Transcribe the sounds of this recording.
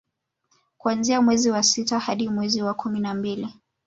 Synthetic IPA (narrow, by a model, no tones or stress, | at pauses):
kuanziamwɛziwasitahaɗimwɛziwakʰuminambili